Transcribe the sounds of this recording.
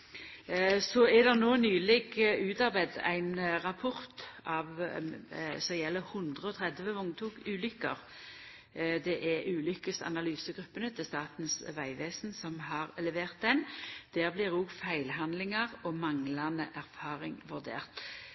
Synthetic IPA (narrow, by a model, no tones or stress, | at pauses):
sɔæʁd̪ɛʁnoːnyːlɪɡʉːt̪ɑʁbæɪd̪æ̰ɪnʁɑpʰʊʁt̪ɑʋ | sɔjɛlːəhʉnd̪ʁəɔt̪ʰʁɛd̪ʋəʊŋt̪ʰuːɡʉːlʏkːəʁ | d̪ɛʔæʁʉːlʏkəsɑ̰nɑlyːsəɡʁʉpːənət̪ʰɪlst̪ɑːt̪nsʋæɪʋeːsnsɔmɦɑʁɛləʋeːʁt̪̚d̪ɛnd̪̥æːʁblɪʁʊɡfæɪlɦɑnd̪lɪŋɑʁɔmɑŋlɑnəʔæʁfɑːʁɪŋʋʉʁd̪ḛːʁt̪